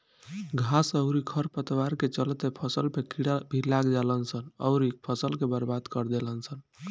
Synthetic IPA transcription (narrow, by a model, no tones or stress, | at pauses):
ɡʱasəʊɾikʰəɾpət̪waɾket͡ʃəlt̪epʰəsəlpʰekʰiɽabʱilːaɡd͡ʒalənsənə̰ʊɾik̚pʰəsəlkebəɾbad̪kəɾd̪elənsən